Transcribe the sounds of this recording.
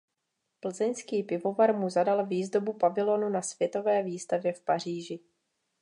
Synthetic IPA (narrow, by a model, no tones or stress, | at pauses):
pl̩zɛɲskiːpɪvo̞vaɾmuzadalviːzdo̞bupavɪlo̞nunasv̥jɛt̪o̞vɛːviːst̪avjɛfpar̝iːʒɪ